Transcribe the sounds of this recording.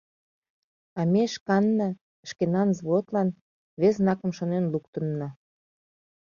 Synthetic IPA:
ɑmeʃkɑnːɑ | ə̆ʃkenɑnzβot̪lɑn | βeznɑkə̆mʃonenlukt̪ə̆nːɑ

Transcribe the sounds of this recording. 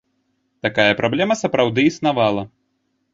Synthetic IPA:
t̪akajɐpɾʔablʲɛmɐsɐpɾawd̪ɨisnavalˠɐ

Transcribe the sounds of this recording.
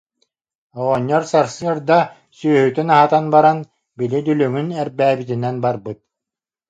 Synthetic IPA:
ɔʁɔɲːɔɾsaɾsɯɐɾd̪a | syœhyt̪ynaɦat̪anbaɾan | bilid̪ylyŋynɛɾbæːbit̪inɛnbaɾbɯt̪̚

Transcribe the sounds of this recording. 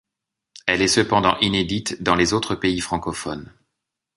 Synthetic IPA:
ɛlɛsəpɑ̃d̪ɑ̃ʔined̪it̪d̪ɑ̃lezot̪χəpeifχɑ̃kɔfɔn

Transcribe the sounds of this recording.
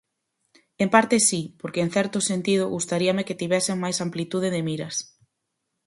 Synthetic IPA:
empaɾt̪ɪsipoɾkeeŋ̟θɛɾt̪ʊsent̪iðʊɣust̪aɾiɐmeket̪iβɛseŋmajsamplit̪uð̞eðɪmiɾɐs

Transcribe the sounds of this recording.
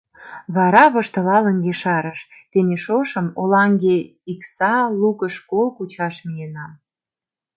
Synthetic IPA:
βɑɾɑβə̆ʃt̪ə̆lɑlə̆ŋɡeʃɑɾəʃt̪eneʃoʃə̆molɑŋɡe | iksɑlukəʃkolkut͡ɕɑʃmijenɑm

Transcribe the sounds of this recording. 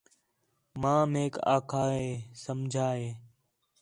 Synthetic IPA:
mãːmeːka̰ːkʰaːɦeːsəmd͡ʒʱaːɦeː

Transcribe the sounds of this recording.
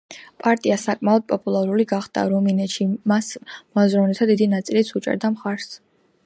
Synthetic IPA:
pʼaɾt̪ʼiasakʼmaɔd̪̚pʼɔpʼulˠaɾuliɡaχd̪a̰ɾɔminɛʃimasmɔzɾɔvnɛt̪ʰad̪id̪inat̪sʼilit̪sʰut͡ʃʼɛ̰ɾd̪amχaɾs

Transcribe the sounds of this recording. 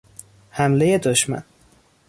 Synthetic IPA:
hæmleje̞d̪oʃmæ̰n

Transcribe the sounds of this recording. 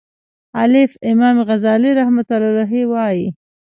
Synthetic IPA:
alɪfɪmɑmɣazɑliɾahmat̪alɾaɦiwɑji

